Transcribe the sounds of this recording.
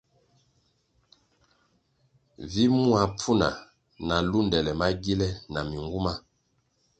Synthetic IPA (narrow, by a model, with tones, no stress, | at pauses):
vi˦mu˦a˨p͡fu˦na̰˨ | na˨lu˦ndɛ˨lɛ˨ma˦ɡi˦lɛ˦na˨mi˨ŋɡu˦ma˦